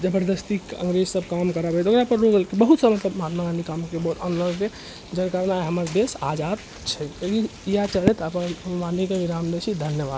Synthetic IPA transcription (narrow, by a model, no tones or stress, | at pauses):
d͡ʒəbəɾd̪əst̪ikə̰ŋɡɾed͡ʒsəb̚kamkəɾabɛt̪okɾapəɾɾoɡəlkibəɦut̪səmət̪ləbmɦat̪məɡanikamkebəɦut̪ʰənləɾke | d͡ʒəɾkaɾnajɦəməɾb̪esa̰d͡ʒad̪ | t͡ʃʰɛeɡiijat͡ʃəɽɛt̪əpənʋanikeʋiɾamd̪esʰid̪ʱənjəba̰d̪